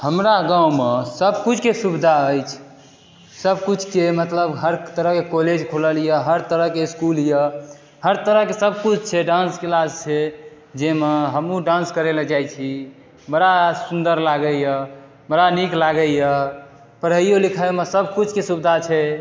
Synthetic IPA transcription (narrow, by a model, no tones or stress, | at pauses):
həmɾaɡãumesəbkut͡ʃʰkesubd̪ʱaəjt͡ʃʰ | səbkut͡ʃʰkemət̪ləbɦəɾt̪əɾəɦkekoled͡ʒkʰoləljəɦəɾt̪əɾəɦkeiskuljə | həɾt̪əɾəɦkesəb̚kut͡ʃʰt͡ʃʰɛɖãnskelad͡ʒt͡ʃʰe | d͡ʒemeɦəmũɖãnskəɾeled͡ʒajt͡ʃʰi | məɾasund̪əɾlaɡəjə | məɾaniklaɡəjə | pəɾɦəijolikʰaemesəbkut͡ʃʰkesubd̪ʱat͡ʃʰɛ